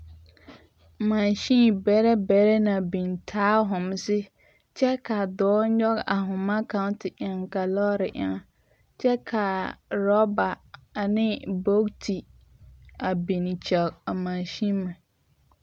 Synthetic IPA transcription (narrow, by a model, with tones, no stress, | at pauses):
ma˨nʃĩ˦bɛ˨˦ɾɛ˦bɛ˨˦ɾɛ˦na˨bi˨ntʰaː˦ɦʊ̃˨m˦sɪ˦ | t͡ʃɛ˦ka˨dɔː˨˦ɲɔ˦ɡa˨ɦʊ̃˨ma˦ka˦n˦tɪ˨ʔa˨ŋ˨ka˨lɔ˦ɾɪ˨ʔa̰˨ŋa˦ | t͡ʃɛ˦kʰa˨ɾɔ˦ba˨a˨nɪ˦bo˦ktʰi˨ | a˨bi˨n˨t͡ʃɛ˨a˨mã˨nʃi˦mːa˨